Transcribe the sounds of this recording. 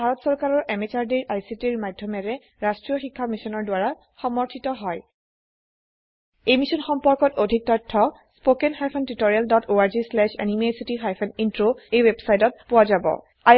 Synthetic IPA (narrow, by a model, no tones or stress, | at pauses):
bʱaɹɔtsɔɹkaɹɔɹʔɛmet͡ɕaɹdiɹʔajsitiɹmadʱːɔmɛɹɛ | ɹastɹijɔxikʰːamisɔnɔɹdwaɹa | xɔmɔɹtʰitɔɦɔj | ejmisɔnxɔmpɔɹkɔtodʱik̚tɔtʰːɔ | spokenxajpʰɔntitoɹialdɔtʰoaɹzislɛʃa̰nimesitixajpʰɔnintɹoejwebsajtɔt̚pʊwazabɔ̰ | a